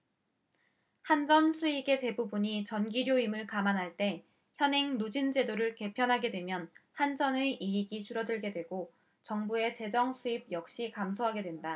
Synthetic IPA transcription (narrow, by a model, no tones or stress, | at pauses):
hand͡ʑʌnsʰuiɡe̞te̞bubuɲit͡ɕʌnɡiɾjoimɯɭkamanɦaɭt͈e̞ | çjʌnɦe̞ŋnod͡ʑind͡ʑe̞doɾɯɭke̞pʰjʌnɦaɡe̞dwe̞mjʌnhand͡ʑʌnɯiiɡit͡ɕʰuɾʌdɯɭɡe̞dwe̞ɡo | t͡ɕʌŋbue̞t͡ɕe̞d͡ʑʌŋsʰuib̚jʌk̚ɕ͈ikamsʰoɦaɡe̞dwe̞nda